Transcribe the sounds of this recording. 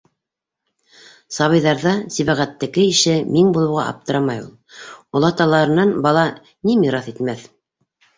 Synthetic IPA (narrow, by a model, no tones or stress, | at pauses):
sɑβɤ̆jðɑɾðɑsiβæʁæt̪ːɘ̆kɘiʃɘmiŋbulˠɤ̆wʁɑ̰ʔɑ̰p̚t̪ɤ̆ɾɑmɑjulˠŏlˠɑt̪ɑlˠɑɾɤ̆nɑnbɑlˠɑ | nimiɾɑθit̪mæθ